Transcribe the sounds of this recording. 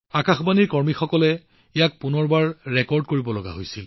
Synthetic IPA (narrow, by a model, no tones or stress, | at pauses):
akaxbaniɹkɔɹmixɔkɔlɛ | ijak̚punɔɹbaɹːɛkɔɹdkoɹibɔlɔɡa̰ɦojsil